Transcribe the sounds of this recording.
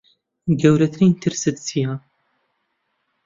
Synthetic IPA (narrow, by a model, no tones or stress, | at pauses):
ɡɐwɾɐt̪ʰɾint̪ʰɨɾsɨt̪̚tʰija